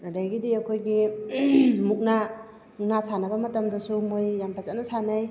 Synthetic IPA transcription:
adajɡidiɐkʰojɡi | muk̚na | unasanɐbɐmɐtɐmdɐsumojːampʰazatnɐsanaj

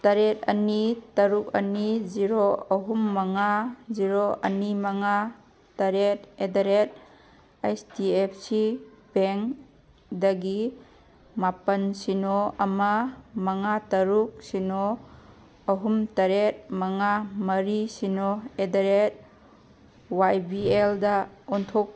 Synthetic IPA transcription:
tɐɾet̚ɐ̰nitɐɾuk̚ɐ̰niziɾɔɐɦumːaŋaziɾoʔɐ̰nimaŋa | tɐɾetedaɾet̚ | ajstiepʰsipeŋ | daɡi | mapɐnsinɔɐmamɐŋatɐɾuk̚sinɔː | ɦumtɐɾet̚maŋamɐɾisinɔedaɾet̚ | wajbieldaɔntʰɔk̚

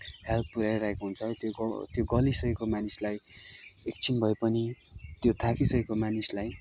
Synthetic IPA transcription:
helt̪̚ʰpuɾaɾaɦekoɦunt͡sʰʌt̪ot̪joɡʌlisʌjkomanislajek̚t͡sʰinbʱʌepʌnit̪jot̪ʰakisʌkomanislaj

